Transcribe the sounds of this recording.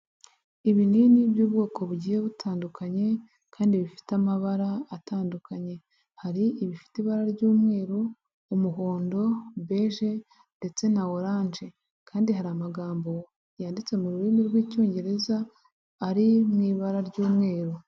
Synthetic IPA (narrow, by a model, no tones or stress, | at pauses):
iβiniːnibjuːb̚ɡo̞ːkʰo̞βuɟiːje̞βutʰaːndukʰaɲe̞ | kʰaːndiβifi̥tamaβaɾaːtaːndukaɲe̞ | haɾiʔiβifi̥tiβaɾaɾɟuːmŋe̞ːɾo | umuɦo̞ːndo̞be̞ʒe̞ | nde̞t͡se̞nawoɾaːnʒe̞ | kʰaːndiɦaɾamaɡaːmbo̞ | jaːndit͡se̞muɾuɾimiɾɡwiːco̞ːɲɟe̞ɾe̞zaː | ɾimŋiːβaɾaɾɟuːmŋe̞ːɾo